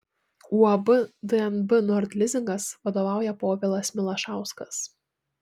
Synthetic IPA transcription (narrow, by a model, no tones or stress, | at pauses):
uɐbʊd̪ɨɛnbɨnɔɾʲt̪ʲlʲɪzʲɪŋɡɐsʋɐd̪oːʋɑˑʊjɛpoːpʲɛlˠɐsmʲɪlˠɐʃɑˑʊskɐs